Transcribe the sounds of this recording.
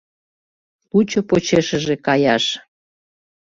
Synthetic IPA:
lut͡ɕopot͡ɕeʃəʒekɑjɑʃ

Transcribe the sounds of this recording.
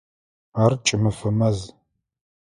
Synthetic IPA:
aːrt͡ʃʼɪmɨfɐmɐz

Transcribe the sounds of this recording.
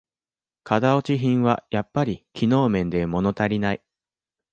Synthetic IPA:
kʰad̪ao̞t͡ɕiɦĩɰ̃βa̰japːaɾʲikʲʰino̞ːmẽ̞nd̪e̞mo̞no̞t̪aɾʲinai

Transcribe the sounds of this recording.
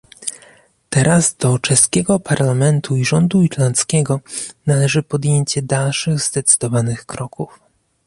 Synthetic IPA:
t̪ɛɾʔazd̪ɔt͡ʂɛskʲɛɡɔpʰaɾlamɛnt̪ʰuiʐɔnd̪uiɾlant̪skʲɛɡɔnalɛʐɘpɔd̪jeɲt͡ɕɛd̪alʂɘɣzd̪ɛt̪sɘ̥d̪ɔvanɘxkɾɔkuf

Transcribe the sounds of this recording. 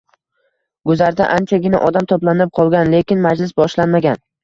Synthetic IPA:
ɡʊzaɾd̪aʔant͡ʃʰaɡʲɪna̰ʔɒd̪amt̪ʰoplanɪp̚qʰɒlˠɡʲanle̞kʲʰɪnmad͡ʒlɪsbɒʃlanmaɡʲan

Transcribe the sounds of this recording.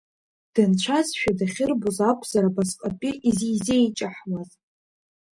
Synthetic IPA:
d̥ɨnt͡ʃʷʰazʃᶣadaχʲɪrbuzakʷʰz̥aɾabazqʼapʼiʔizijzejt͡ʃʼaħwaz

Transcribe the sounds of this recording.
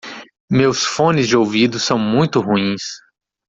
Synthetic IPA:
mewsfõnɪzd͡ʒɪowvid̪ʊsɐ̃w̃mũj̃t̪ʊɦuĩs

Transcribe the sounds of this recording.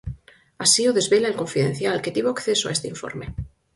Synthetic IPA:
asioðe̞zβe̞laelko̞ɱfiðẽ̞̰n̟θjalke̞t̪iβoakθe̞soaest̪eiɱfo̞̰ɾme̞

